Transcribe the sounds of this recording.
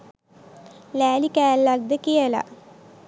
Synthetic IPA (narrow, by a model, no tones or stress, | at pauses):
læːlikæːlːak̚d̪əkijəla̰